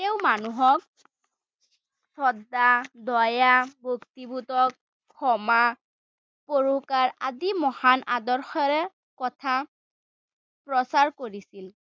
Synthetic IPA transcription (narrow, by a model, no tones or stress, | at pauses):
tɛwmanuɦɔk̚ | sɔdadɔjabʱoktibutɔkʰː | ɔma | poɹuhkaɹadimɔhanʔadɔɹxɔɹɛ | kɔtʰa | pɹɔsaɹkoɹisil